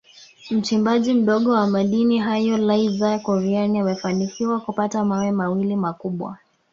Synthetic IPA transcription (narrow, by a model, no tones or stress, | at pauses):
m̩t͡ʃimbaʄim̩ɗɔɠɔwamaɗiniɦajɔlaizakuɾianiamɛfanikiwakupatamawɛmawilimakuɓwa̰